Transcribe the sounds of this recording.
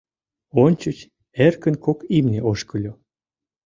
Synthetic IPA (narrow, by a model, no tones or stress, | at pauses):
onʲt͡ɕut͡ɕ | erkənkokimneʔoʃkəlʲo